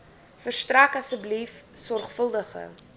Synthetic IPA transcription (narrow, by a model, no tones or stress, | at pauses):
fərstrækɐsəblifsɔrχfəlˠdəχə̰